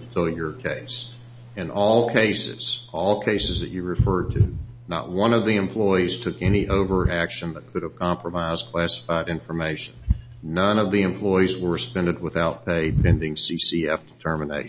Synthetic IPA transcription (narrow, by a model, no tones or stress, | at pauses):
tʰɪlˠjə˞kʰeɪs | ɨ̃nʔɔlˠkʰeɪsɪ̰z̥ʔɔlˠkʰeɪsɨzðɨt͡ʃɨɹɨfɜ˞d̚tʰʉ̰ | nə̰t̚wʌ̃nʌvðiɨ̃mpʰl̥ɔɪiz̥tʰʊkɛniʔoʊvə˞ʔækʃɨ̃nðɨt̚kʰʊɾɨv̥kʰɑ̃mpɹəmaɪz̥kʰl̥æsə̥faɪɾɪ̃ɱfə˞meɪʃɨ̃nː | ʌ̃nʌvðiɨ̃mpʰl̥ɔɪizwə˞ɨspɛ̃ndɨd̚wəθaʊt̚pʰeɪpʰɛ̃ndɪ̃ŋsisiɛfd̥ətʰɜ˞mɨnḛɪ